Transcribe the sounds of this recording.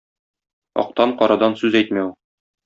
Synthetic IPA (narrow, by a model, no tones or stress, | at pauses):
ɒ̰q̚t̪ɑɴqɒɾɑd̪ɑnsʉzæjt̪mæ